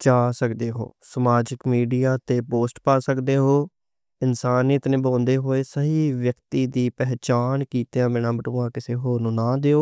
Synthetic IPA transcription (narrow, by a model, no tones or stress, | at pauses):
t͡ʃaːsəkd̪eːɦo̰ːsəmaːd͡ʒɪkmiːɖijaːt̪eːpoːsʈpaːsəkd̪eːɦoː | ɪnsaːnit̪nẽːbãːnd̪eːɦoːeːsəɦiːʋjəkt̪iːd̪iːpɛɦt͡ʃaːnkiːt̪ːãːbɪnãːbəʈõːãːkɪseːɦoːɾnũːnãːd̪eːoː